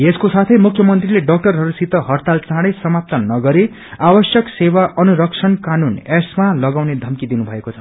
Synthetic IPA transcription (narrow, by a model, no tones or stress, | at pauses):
eskosat̪ʰʌjmukʰjʌmʌnt̪rileɖʌk̚ʈʌrɦʌɾusit̪ʌɦʌrt̪alt͡sãɽʌjsʌmap̚t̪ʌnːʌɡʌɾe | abʌsjʌksewaʔʌnuɾʌkt͡sʰʌnkanunesmalʌɡawned̪ʱʌmkid̪inubʱʌekot͡sʰʌ